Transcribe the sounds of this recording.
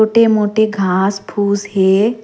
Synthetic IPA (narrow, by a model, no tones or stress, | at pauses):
oːʈemoːʈeɡʱaːspʰuːzɦeː